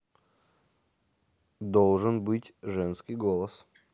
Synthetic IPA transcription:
d̪olˠʐɨnbɨtʲʐɛnskɪjɡolˠəs

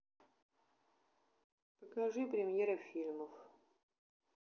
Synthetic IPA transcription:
pəkɐʐɨpɾʲɪmʲjeɾəfʲilʲməf

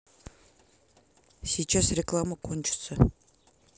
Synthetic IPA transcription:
sʲijt͡ʃasrʲɪklˠaməqʰonʲt͡ʃɪ̥sə

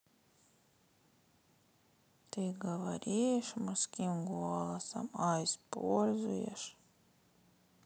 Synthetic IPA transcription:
t̪iɡavaɾʲijʃmaskʲimɡuɔlˠasa̰majspṵɔlʲzṵjɛ̰ʃ

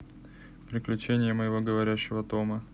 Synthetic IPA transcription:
pɾʲɪklʲʉt͡ɕenʲɪjəməjɪvo̞ɡəvɐɾʲæɕːɪvət̪o̞mə

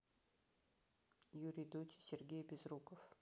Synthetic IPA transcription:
juɾʲid̪ot̪ʲi̥sʲerɡʲejbʲɪzrukəf

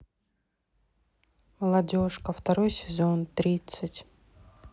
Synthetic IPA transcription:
məlˠɐdʲo̞ʂkəft̪ɐɾojsʲɪzo̞nt̪ɾʲit̪sɨtʲ

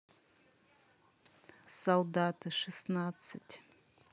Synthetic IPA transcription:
soldatʰaʂɨsnat͡sʰɨtʲʰ

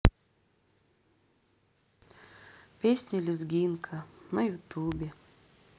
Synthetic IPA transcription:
pʲesʲnʲɪlʲɪzɡʲinkʰɐnɐjʊt̪ubʲe

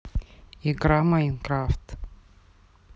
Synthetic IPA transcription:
iɡramainkraft̪

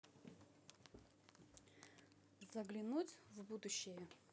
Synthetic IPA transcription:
zɐɡlʲɪnutʲvbud̪ʊɕːɪjə

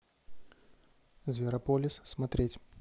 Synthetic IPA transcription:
zvʲɪɾɐpolʲɪsːmɐt̪ɾʲetʲ

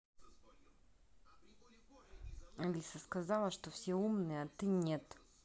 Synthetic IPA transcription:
ɐlʲisəskɐzalˠəʂt̪ofsʲeumnɨjəɐt̪ɨnʲet̪

